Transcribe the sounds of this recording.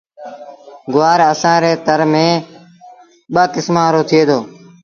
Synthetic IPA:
ɡʊʋaːɾəsãːɾeːt̪əɾmẽː | ɓəkɪsmãːɾoːt̪ʰɪeːd̪oː

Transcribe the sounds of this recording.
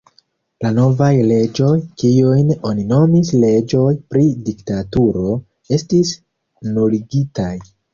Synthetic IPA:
lano̞vajle̞d͡ʒo̞jkiujno̞nino̞misle̞d͡ʒo̞jpɾidiktatuɾo̞ | e̞stis | noliɡitaj

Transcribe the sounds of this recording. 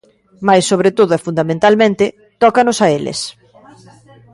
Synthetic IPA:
majsːoβɾet̪oð̞oʊɛfund̪amẽnt̪almẽnt̪ɪ | t̪ɔkanosaelɪ̰s

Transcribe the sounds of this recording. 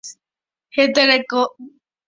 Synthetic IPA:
het̪̬eɾeko

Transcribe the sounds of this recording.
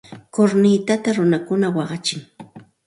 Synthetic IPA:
koɾnɪt̪at̪aɾʊnakʊnawɑɢɑt͡ʃɪŋ

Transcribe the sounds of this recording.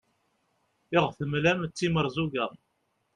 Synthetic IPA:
ɪʁθəmlæmt͡sːiməɾˤzuɡæʁ

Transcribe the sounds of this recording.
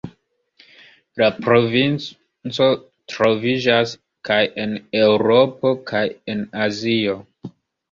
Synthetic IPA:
lapɾo̞vin | t͡so̞ | tɾo̞vid͡ʒas | kajene̞uɾo̞po̞kʰaje̞nazio

